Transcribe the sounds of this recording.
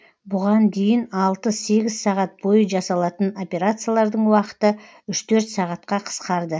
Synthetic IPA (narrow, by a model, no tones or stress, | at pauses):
bʊʁɑnd̪e̞jɪnɑlˠt̪əse̞ɡʲɪzsɑʁɑt̪̚b̥o̞jəʒɑsɑlˠɑt̪əno̞pʲe̞ɾat̪sɨjalˠɑɾd̪əɴwɑqə̥t̪ə | ʏʃt̪ʰɵɾt̪sɑʁɑt̪qɑqʰə̥sqɑɾd̪ə